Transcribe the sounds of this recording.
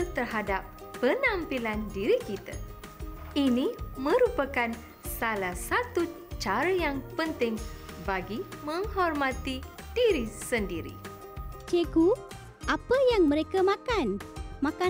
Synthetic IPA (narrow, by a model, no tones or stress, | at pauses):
t̪ərɦadapː | ənãmpilandiɾikit̪ə̰ | inimə̃ɾupəkan | salahsat̪u | t͡ʃaɾəjaŋpənt̪ɪŋ | baɡimə̃ŋhɔrmãt̪i | d̥iɾisəndiɾḭ | t͡ʃeɡu | ʔapəjaŋmə̃ɾekamãkanmãka